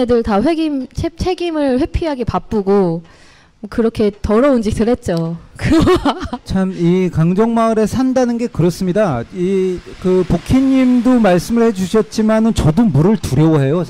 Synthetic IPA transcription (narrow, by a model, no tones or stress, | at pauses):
edɯɭtaɸweɡimt͡ɕʰet͡ɕʰe̞ɡimɯɭɸwe̞pʰiɦaɡepap͈uɡo | kɯɾʌkʰe̞tʌɾʌund͡ʑis͈ɯɾɦe̞t̚t͡ɕ͈okɯ | t͡ɕʰamikaŋd͡ʑʌŋmaɯɾe̞sʰandanɯnɡe̞kɯɾʌs͈ɯmɲidaikɯpokʰiɲimdomaɭs͈ɯmɯɭhe̞d͡ʑuɕʰʌt̚t͡ɕ͈imanɯnt͡ɕʌdomuɾɯɭtuɾjʌoɦe̞jo